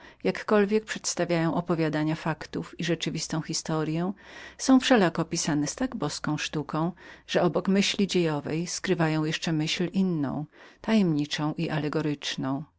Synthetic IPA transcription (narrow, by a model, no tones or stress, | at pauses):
jakːɔlvʲjɛk̚pʂɛt̪st̪avʲjajɔ̃w̃ʔɔpɔvʲjad̪aɲafakt̪ufiʐɛt͡ʂɘvʲist̪ɔ̃w̃xʲist̪ɔɾjɛ̃sɔ̃w̃fʂɛlakɔpʲisanɛst̪aɡbɔskɔ̃w̃ʂt̪ukɔ̃w̃ʐ̥ɛɔbɔkmɘɕlʲid͡ʑejɔvɛjskɾɘvajɔ̃w̃jɛʂt͡ʂɛmɘɕlʔinːɔ̰̃w̃t̪ajɛmɲit͡ʂɔ̃w̃ʔiʔalɛɡɔɾɘt͡ʂnɔ̃w̃